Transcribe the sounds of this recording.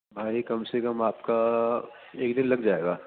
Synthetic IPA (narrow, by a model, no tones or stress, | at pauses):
bʱaːikɐmsekɐmaːpka | eːkd̪ɪ̃nlɐɡd͡ʒaːeːɡaː